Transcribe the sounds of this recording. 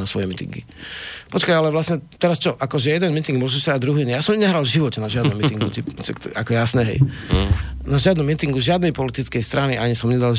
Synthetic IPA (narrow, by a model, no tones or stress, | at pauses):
nasʋɔjɛmit̪ḭŋɡḭpɔt͡ʃkajalɛʋlasɲɛt̪ɛɾast͡ʃɔʔakɔʒɛjɛd̪ɛnmit̪iŋɡmʊɔʒɛʃt̪ɾaːɟ̚d̪ɾuɦinɛjaːsɔmɲɛɦɾalʒiʋɔcɛnaʒɪad̪nɔmːit̪iŋɡut̪ipt͡ʃɛk̪akɔjasnɛɦɛ̰j | naʒɪad̪nɔmːit̪iŋɡuzʒɪad̪nɛjpɔlit̪it͡skɛjst̪ɾaniʔaɲisɔmɲɛd̪alʒ